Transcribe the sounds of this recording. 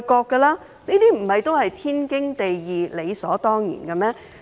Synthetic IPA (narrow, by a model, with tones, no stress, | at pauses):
kɔː˧kːɐ˧laː˥ | niː˥t̪iː˥m̩˨˩hɐ˨jt̪o˥whɐ˨jt̪ʰiː˥nkɪ˥ŋt̪e˨jjiː˨˧le˨˧jsɔː˨˥t̪ɔː˥ŋjḭː˨˩nkɐ˧mɛː˥